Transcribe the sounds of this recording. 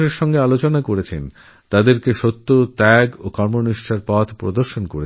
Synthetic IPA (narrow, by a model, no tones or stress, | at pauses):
eɾʃɔŋɡealot͡ɕonakoɾet͡ɕʰḛn | t̪ad̪eɾkeʃot̪ːot̪ɛɡokɔɾmoniʃʈʰaɾpɔt̪ʰpɾo̰d̪oɾʃonkoɾe